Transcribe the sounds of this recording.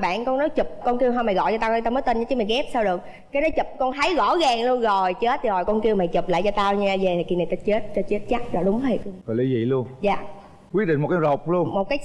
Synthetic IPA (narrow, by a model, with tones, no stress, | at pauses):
ɓa̰ː˧˨nkɔ˧ŋnɔ˨˦jt͡ɕu˨˩p̚kɔ˧nki˧əwɦaː˧ma˨˩ɣɔ̰˧˨jt͡ɕɔ˧t̪aː˧wt̪aː˧məː˨˦jt̪ə˧nɲa˧˨˦t͡ɕi˨˦maː˨˩jɣɛ˦˥p̚saː˧wɗɨ˨˩ək̚ | kaː˨˦jnɔ˨˦t͡ɕə˨˩p̚kɔ˧nt̪ʰa˨˦jɣɔ̰˧˥ɣaː˨˩ŋlu˧ənzo˨˩jt͡ɕə˦˥t̚t̪ʰi˨˩hɔ˨˩jkɔ˧nki˧əwmaː˨˩t͡ɕɨ˨˩p̚la̰ː˧˨jt͡ɕɔ˧t̪aː˧wɲaː˧ze˨˩t̪ʰki˧na˨˩jt̪aː˧t͡ɕe˦˥t̚t͡ɕɔ˧t͡ɕe˦˥t̚t͡ɕa˦˥t̚zɔ˨˩ɗʊ˨˦ŋ͡mhə˧˩˧kɔ˨˩li˨˦zḭ˧˨lu˧ənza̰ː˨ | kwi˦˥ɗï˧˨ŋm˨˩t̚kːaː˨˦zə˨˩wk͡p̚lu˧ənmo˨˩t̚kaː˨˦j